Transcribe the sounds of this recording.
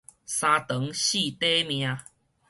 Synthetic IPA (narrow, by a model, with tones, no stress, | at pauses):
sa˧t̪ə˨˦ŋɕi˥˨t̪e˦mj̃ã˧